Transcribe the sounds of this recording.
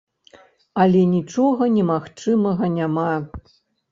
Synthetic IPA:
ɐlʲɛnʲit͡ʂɔɣɐnʲɛmaxt͡ʂɨmɐɣɐnʲama

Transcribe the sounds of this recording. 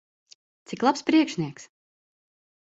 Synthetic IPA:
t̪siklˠapspɾiɛkʃniɛks

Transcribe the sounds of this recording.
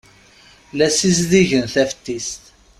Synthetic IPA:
læsizðiʝənθæfət̪ːist̪

